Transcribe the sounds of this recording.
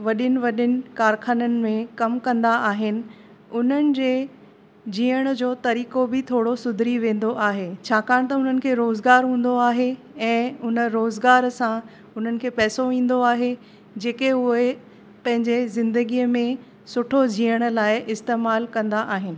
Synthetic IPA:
ʋɐɗɪnɪ̆ʋɐɗɪnɪ̆kaːɾxaːnənɪ̆mẽkɐmkɐ̃nd̪aʔaːɦɪnɪ̆ | ʊn̤ənɪ̆d͡ʑeː | d͡ʑiːəɽ̃d͡ʑoːt̪ɐɾiːkobɪt̪ʰoːɽosʊd̪ʱɾiʋẽːn̆d̪oʔaːɦeːt͡ɕʰaːkaːɽ̃t̪ɐʊn̤ənɪ̆kʰeːɾoːzɡaːɾɦũːn̆d̪oaːɦe | ɛ̃ːʊnə̆ɾoːzɡaːɾsã | ʊn̤ənɪ̆kʰeːpɛːsoʋĩːn̆d̪oaːɦe | d͡ʑeːkeʊɦe | pɐ̃ɦɪ̃ɲd͡ʑezɪ̃nd̪əɡiəmẽ | sʊʈʰod͡ʑiːəɽ̃̆laːɪʔɪst̪eːmaːlkɐ̃nd̪aʔaːɦɪnɪ̆

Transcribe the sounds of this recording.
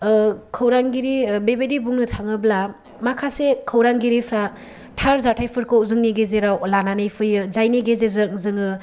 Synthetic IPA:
kʰəwɾaŋɡiɾibebedibuŋnɯtʰaŋɯbla | makʰasekʰəwɾaŋɡiɾipʰɾa | tʰaɾzatʰajpʰɯɾkɯwzɯŋniɡezeɾawlananɯjpʰɯjɯzajniɡezeɾzɯŋzɯŋɯ

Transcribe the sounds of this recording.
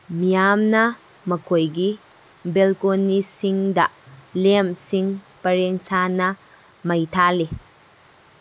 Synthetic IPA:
mijamnɐ | mɐkʰojɡi | belkonːisiŋdɐ̰lemsiŋ | pɐɾeŋsanɐ | mɐjtʰali

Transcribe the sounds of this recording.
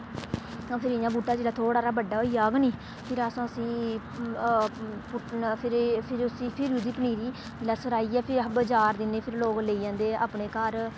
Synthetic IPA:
ãpʰɪɾɪjãːbuːʈːaːd͡ʒeːlaːt̪ʰoːɽaːɾaːbəɖːaːɦoiːaːɡniː | pʰɪɾəsãːəsĩː | pʊpʰɪɾpʰɪɾʊsiːpʰɪɾuːd̪iːpəniːɾiː | d͡ʒɪlaːsəɾaːiːɛːpʰɪɾbəd͡ʒaːɾd̪ɪnːeːpʰɪɾloːɡleiːãːnd̪eːa̰ːpɳeːkaːɾ

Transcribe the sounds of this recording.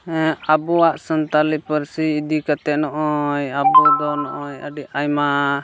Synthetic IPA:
abuaʔsənt̪alipəɾsiːd̪ikat̪ɛnɔʔɔjabud̪ɔnɔʔɔjə̰ɖiʔajma

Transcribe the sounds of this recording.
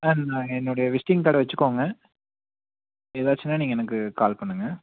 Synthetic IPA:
anãːɛnːoːɽɐjɐʋɪsʈɪŋt̪aːɽɐʋɐt͡ʃːɯkːoːŋɡɐ | eːðaːt͡ʃːɪnːaːniːŋɡɐɛnɐkːɯkaːlpɐɳːɯŋɡɐ

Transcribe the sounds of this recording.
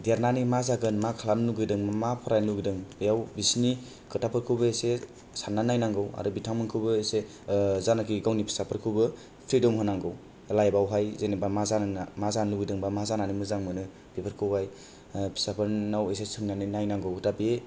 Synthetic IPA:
dijaɾnanimazaɡɯnmakʰalamnuɡɯjdɯŋmamapʰɔɾajnluɡidɯŋbejawbisni | kɯtapʰɯɾkʰɯwbɯese | sanːanajnaŋɡɯwa̰ɾɯbitʰaŋmɯŋkʰɯwbɯese | zanakʰiɡawnipʰi̥sapʰɯɾkʰɯwbɯ | pʰɾidɔmhɔnaŋɡɯw | lajbawɦajzenebamazanmazanluɡɯjdɯŋbamazananimɯzaŋmɯnɯ | pepʰɯɾkʰɯwbaj | pʰi̥sapʰɯɾnawes̬esɯŋnaninajnaŋɡɯwdabi

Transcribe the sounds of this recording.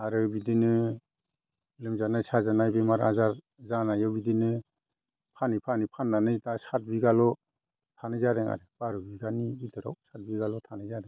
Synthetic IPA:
aɾɯbidinɯ | lɯmzanajsazanajbemaɾa̰zaɾ | zanajɔbidinɯ | pʰanipʰanipʰanːanɯtasat̚biɡalɔ | tʰanɯzadeŋa̰ɾɯb̥aɾɯbiɡanibitʰɯɾa̰wsat̚biɡalɔtʰanajzadɛŋ

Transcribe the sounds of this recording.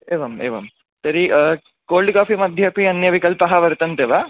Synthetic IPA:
eːʋɐmḛːʋɐ̰m | sɐɾi | koːlɖkaːfimɐd̪ʱjɐpiɐnjɐʋikɐlpɐɦɐʋɐɾt̪ɐnt̪eːʋaː

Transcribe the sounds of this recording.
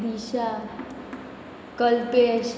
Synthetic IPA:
d̪iʃa | kəlpeʃ

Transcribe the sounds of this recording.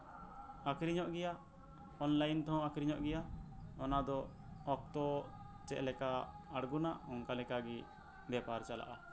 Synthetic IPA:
akɾiɲɔʔɡɛja | ɔnlajnt̪ɔɦɔ̃akɾiɲɔʔɡɛjaɔnad̪ɔː | k̚t̪ɔ | t͡ʃɛʔlɛkaː | ɽɡunaʔɔŋkalɛkaɡi | bɛpaɾt͡ʃala̰ʔa

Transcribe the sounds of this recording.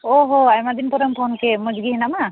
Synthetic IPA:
ɔɦɔajmad̪inpɔɾampʰɔnkɛmɔd͡ʒɡiɦinama

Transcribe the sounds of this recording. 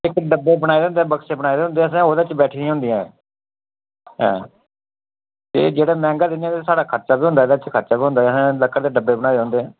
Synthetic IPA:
ɪkɖəbːeːbəɽaːed̪ẽːnd̪eɛːbəkseːbəɽaːed̪eːɦʊnd̪eːəs̬ãːɦoːd̪et͡ʃbɛːʈʰiːĩɦʊ̃nd̪ijãːɛ | ɦɛ̰̃ː | t̪ḛːd͡ʒeːɽaːmɛ̃ːŋɡaːd̪ɪnɪjãːt̪esaːɽaːkʰəɾt͡ʃaːbiːʊ̃nd̪aːd̪eːt͡ʃkʰəɾt͡ʃaːbiːɦʊ̃nd̪aːəsãːləkːəɾd̪eːɖəbːeːbəɽ̃aːjd̪̃ːnd̪eːɦɛ̃ː

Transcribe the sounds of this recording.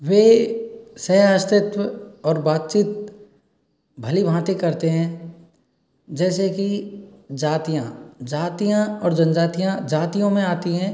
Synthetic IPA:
ʋeː | sɐɦəst̪ɪt̪wəɔːɾbaːt̪̚t͡ʃiːt̪̚ | bʱɐlibʱãːt̪ekɐɾt̪eɦɛ̃ | d͡ʒɛːsekid͡ʒaːt̪ijãd͡ʒaːt̪ijãɔːɾd͡ʒɐnd͡ʒaːt̪ijãd͡ʒaːt̪ijõmẽaːt̪iɦɛ̃ː

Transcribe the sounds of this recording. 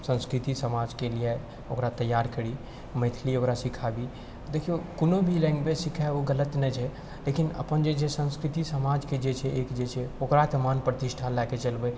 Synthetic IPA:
sə̃nskɾit̪isəmad͡ʒkelie | okɾat̪əjaɾkəɽi | məɪt̪ʰliokɾasikʰabi | d̪ekʰiokonobʱilɛ̃ŋɡbesikʰɛoɡələt̪nɛt͡ʃʰɛ | lekinə̰pənd͡ʒet͡ʃʰesə̃nskɾit̪isəmad͡ʒked͡ʒet͡ʃʰɛekd͡ʒet͡ʃʰɛokɾat̪əmanpɾət̪iʃʈʰalaket͡ʃəlbe

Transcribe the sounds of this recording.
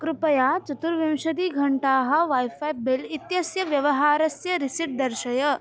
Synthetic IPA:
kɾupɐjaːt͡ʃɐt̪uɾʋɐmʃɐd̪iːɡʱɐɳʈaːɦɐ̆ʋaːjfaːjbɪlit̪jɐsjɐʋjɐʋɐɦaːɾɐsjɐɾɪsiʈ̚d̪ɐɾʃɐjɐ

